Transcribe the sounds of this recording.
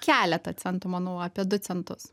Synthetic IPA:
kʲæːlʲɛt̪ɐt͡s̪ʲɛnt̪ʊmɑːnoʊɑːpʲiɛd̪ʊt͡s̪ʲɛnt̪ʊs

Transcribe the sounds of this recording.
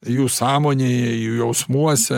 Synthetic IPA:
juːsɑːmoːnʲeːjɛjuːjɛʊsmuɔsʲɛ

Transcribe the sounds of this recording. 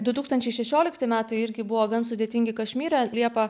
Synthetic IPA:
d̪ʊt̪uːkst̪ɐnʲt͡ʃʲɛɪʃʲɛʃʲoːlʲɪkt̪ɪmʲæːt̪ɐɪɪɾʲɡʲɪbʊʋoːɡɐnsʊd̪ʲeːt̪ʲɪŋʲɡʲɪkɐʃʲmʲiːɾʲɐlʲiɛpɐ

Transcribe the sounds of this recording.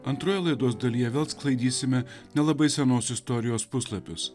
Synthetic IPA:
ɐnt̪ɾoːjɛlˠɐɪd̪uɔsd̪ɐlʲiːjɛʋʲeːlˠsklˠɐɪd̪ʲiːsʲɪmʲɛnʲɛlˠɐbɐɪsʲɛnoːsɪst̪ɔɾʲɪjoːspʊslˠɐpʲʊs

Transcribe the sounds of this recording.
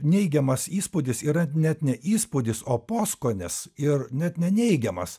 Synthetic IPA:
nʲɛɪɡʲɛmɐsiːspʊːd̪ʲɪsiːɾɐnʲɛt̪nʲɛʔiːspʊd̪ʲɪsoːpoːskoːnʲɛsɪrnʲɛt̪nʲɛnʲɛɪɡʲɛmɐs

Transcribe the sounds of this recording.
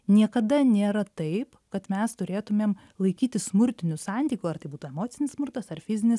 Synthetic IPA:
nʲiɛkɐd̪ɐnʲeːɾɐt̪ɐɪpkɐt̪mʲɛst̪ʊɾʲeːt̪ʊmʲeːm | lˠɐɪkʲiːt̪ʲɪssmʊɾʲt̪ʲɪnʲʊsɑnʲt̪ʲiːkʲʊɐɾt̪ɐɪbuːt̪ʊɛmoːt̪sʲɪnʲɪsmʊɾt̪ɐsɐrfʲɪzʲɪnʲɪs

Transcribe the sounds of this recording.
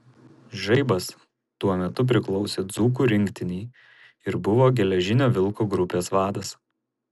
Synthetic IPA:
ʒɐɪbɐs | t̪uɔmʲɛt̪ʊp̬ʲɾʲɪklˠɒʊsʲeːd̪zuːk̬uːɾʲɪŋʲkt̪ʲɪnʲɛː | ɪɾbʊʋoːɡʲɛlʲɛʒʲɪnʲoːʋʲɪlˠkoɡɾʊpʲeːsʋɑːd̪ɐs

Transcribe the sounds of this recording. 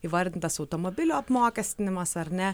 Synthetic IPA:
iːʋɐɾʲd̪ʲɪnt̪ɐsɐʊt̪omobʲɪlʲuːɐpmoːkʲɛsʲt̪ʲɪnʲɪmɐsɐɾnʲɛ

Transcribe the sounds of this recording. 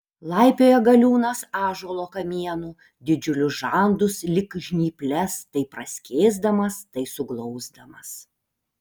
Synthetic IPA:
lˠɐɪpʲoːjɛɡɐlʲuːnɐsɑːʒoːlˠoːkɐmʲiɛnu | d̪ʲɪd͡ʒʲʊlʲʊsʒɑˑnd̪ʊslʲɪkʒʲnʲiːpʲlʲɛst̪ɐɪpɾɐsʲkʲeːzd̪ɐmɐst̪ɐɪsʊɡlˠɔʊzd̪ɐmɐs

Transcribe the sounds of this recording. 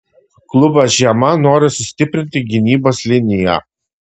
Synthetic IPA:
klˠʊbɐsʒʲiɛmɐnoːɾʲɪsʊsʲt̪ʲɪpʲɾʲɪnʲt̪ʲɪɡʲɪnʲiːboːslʲɪnʲɪjɛ̰

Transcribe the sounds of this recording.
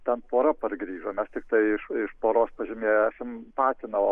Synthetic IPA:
t̪ʲɛnpoːɾɐpɐrɡɾʲiːʒomʲɛst̪ʲɪkt̪ɐɪɪʃɪʃpoːɾoːspɐʒʲɪmʲeːjoæːsʲɛmpɑːt̪ʲɪnɐʋo

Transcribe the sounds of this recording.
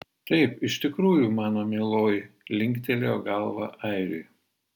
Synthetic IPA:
t̪ɐɪpɪʃt̪ʲɪkɾuːjumɑːnoːmʲiːlˠoːjlʲɪŋʲkt̪ʲɛlʲoːɡɐlˠʋɑ̰ʔɛɪɾʲʊ̰j

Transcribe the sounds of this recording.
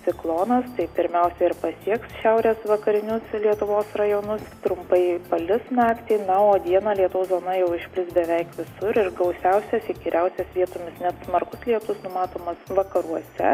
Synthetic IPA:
t̪t͡s̪ʲɪklˠoːnɐst̪ɐɪpʲɪɾʲmʲɛʊsʲɛɪɾpɐsʲiɛksʃʲɛʊɾʲeːsʋɐkɐɾʲɪnʲʊslʲiɛt̪ʊʋoːsrɐjoːnʊst̪ɾʊmpɐɪpɐlʲɪsnɑːkt̪ʲɛɪnɐoːd̪ʲiɛnɐlʲiɛt̪ʊʋɐszoːnɐjɛʊɪʃʲpʲlʲɪsbʲɛʋʲɛɪkʋʲɪsʊɾɪɾɡɐʊsʲɛʊsʲɛsiːɡʲiːɾʲɛʊsʲɛsʋʲiɛt̪omʲɪsnʲɛt̪smɐɾkʊslʲiɛt̪ʊsnʊmɑːt̪oːmɐsʋɐkɐɾuɔsʲɛ̰

